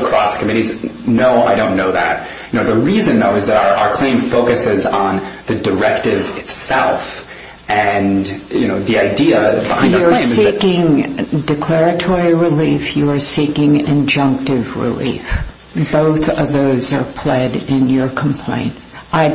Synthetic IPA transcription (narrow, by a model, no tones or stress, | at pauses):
kʰɹ̥ɔsə̥kʰɨmɪɾiznoʊa̰ɪɾõʊ̃nːoʊðæ̰t̚ | jɨnoʊðəɹizɨ̃nːoʊɨzðɨɾə˞ʔaʊə˞kʰl̥ẽɪ̃ɱfoʊkɨsɪzn̩ðɨdə˞ɛk̚tɪvɨtsɛ̰lˠf | ɨ̃njɨnoʊðiaɪdiɨbãɪ̃jə̃˞sikɪ̃ŋdɨkʰl̥ɛɹɨtʰɔɹiɹɪlifjəə˞sikɪ̃ŋɪ̃nd͡ʒʌ̃ŋk̚tɪvɹɪ̰lḭf | b̥oʊθʌvðoʊzə˞pʰl̥ɛɾɪ̃njə˞kʰm̩pʰl̥ḛ̃ɪ̃nt | aɪ